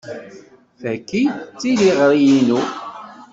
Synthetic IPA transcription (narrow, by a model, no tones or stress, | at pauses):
θækːit͡sːiliʁɾˤijinu